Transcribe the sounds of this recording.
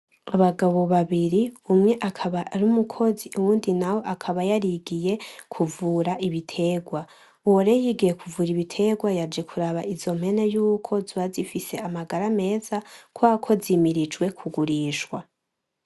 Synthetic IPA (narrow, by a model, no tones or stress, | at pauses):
aβaɡaβo̞βaβiɾiumŋe̞ʔakʰaβaʔːɾumukʰo̞ziʔuwuːndinawo̞ʔakʰaβajaɾiɡije̞kʰuvuːɾaʔiβitʰe̞ɡwa | uwoɾejiɡije̞kʰuvuːɾiβitʰe̞ɡwajaɾd͡ʒe̞kʰuɾaβaʔiz̥o̞m̥he̞ne̞juːkʰo̞zwazifise̞amaɡaɾame̞ːzakwakʰo̞zimiɾid͡ʒwe̞kʰuɡuɾiːʃwa